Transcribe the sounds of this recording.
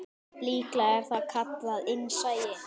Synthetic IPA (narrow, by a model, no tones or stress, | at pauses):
liːklaɛɾ̥θaðkʰat̪laðɪnːsaːjɪ